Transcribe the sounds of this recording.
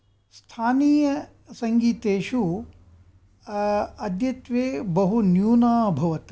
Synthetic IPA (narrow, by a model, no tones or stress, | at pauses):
st̪ʰaːniːjɐ | sɐŋɡiːt̪eːʃu | ɐd̪jɐt̪ʋeːbɐɦunjuːnaːbʱɐʋɐt̪